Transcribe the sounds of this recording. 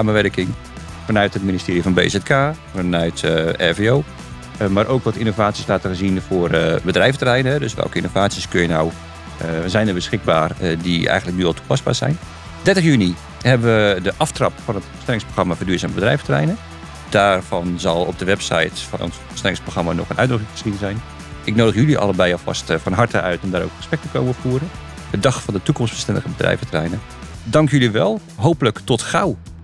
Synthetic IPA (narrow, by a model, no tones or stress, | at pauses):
saːməʋɛrəkɪŋ | fɔnœɥthətministɪːɾijəfɔnbḛːsɛtkʰaːfɔnœɥtɛ̰veoː | maɾʔoːkʋɔtinovaːtt͡sjiəslaːtəɣəzinfʊərbədrɛjftərɛjnəɦɛdøsʋɛ̰lˠkəinovaːtsjiəskøjənaw | zɛjnərbəsxɪk̚baːrdiɛ̰jɣən̩dlək̚nyɔlˠtʰupasba̰ːɹsɛ̰jn | d̥ɛrtəxjyni | hɛbəʋədəʔɑftrɑpfɔnətbəstɛlɪŋsproxramafədyːzaːməbədrɛ̰jfətərɛ̰jnə | d̥aːrv̥ɔnzɑlˠɔp̚dəʋɛpsa̰jtfɔ̰nɔ̰nsbəstɛlɪŋsproxramanɔ̰xənʔœ̰ɥdroxɪŋfə̥sinzɛjn | ɪknoːdəxjyliʔɑ̰lˠəbɛjɔlˠfɑ̰stfɔnɦɑrtəʔœɥtɔmdaːɾo̰wkrəspɛk̚təkowməfuərən | ədɑxfɔndətukɔmstb̥ə̥stɛndəɣəbədrɛ̰jvətərɛ̰jnə | dɑŋkjyliʋɛlˠ | ɦowpələktɔtxaw